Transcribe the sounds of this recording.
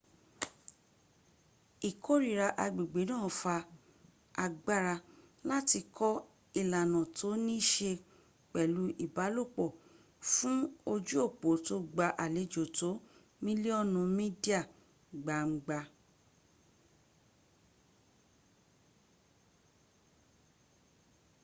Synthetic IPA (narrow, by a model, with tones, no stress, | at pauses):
i˨kʰo˦ɾi˨ɾa˧ʔa˧ɡ͡bi˨ɡ͡be˨˦nãː˦˨fa˧ | a˧ɡ͡ba˦ɾa˧ | la˦ti˧kʰɔ˦ | i˦˨la˨nã˨tʰo˨˦nĩ˦ʃe˧ | k͡pɛ˨lu˨˦ʔi˦˨ba˨˦lo˦˨k͡pɔ˨ | fũ˦o˧d͡ʒu˦o˦˨k͡po˨˦to˦ɡ͡ba˧ʔa˨le˨˦d͡ʒo˨to˨˦ | mĩ˦li˦ɔ˦nũ˧mĩ˦di˦a˦˨ | ɡ͡ba˨ŋ͡m̩˨˦ɡ͡ba˧